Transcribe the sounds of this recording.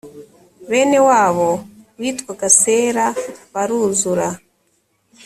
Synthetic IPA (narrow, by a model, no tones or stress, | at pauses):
βe̞ːne̞waːβo̞wiːtkwaɡase̞ːɾaβaɾuːzuɾa